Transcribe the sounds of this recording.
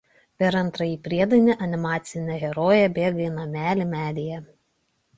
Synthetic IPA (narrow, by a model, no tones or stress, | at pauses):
pʲɛɾɐnˑt̪ɾɐjiːpʲɾʲiɛd̪ɐnʲɪʔɐnʲɪmɑːt̪sʲɪnʲɛɣʲɛɾoːjɛbʲeːɡɐɪnɐmʲæːlʲɪmʲæːd̪ʲejɛ